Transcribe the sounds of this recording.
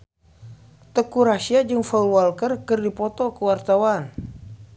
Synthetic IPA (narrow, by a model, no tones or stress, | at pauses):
t̪əkuɾasiad͡ʒɨŋfɔlwalkərkɨrdipɔt̪ɔkəwart̪awan